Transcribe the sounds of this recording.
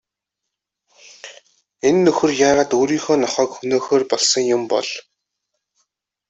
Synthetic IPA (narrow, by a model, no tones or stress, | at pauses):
enːɵxɵ̆rjaːʁaːt̪oːɾiːŋxoːnɔχœːkxɵnoːxoːrpɔɮsɞ̆ŋjʊmpɔ̰ɮ